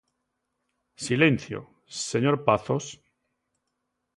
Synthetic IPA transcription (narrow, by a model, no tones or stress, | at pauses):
silenθjo̰ | seɲoɾpaθos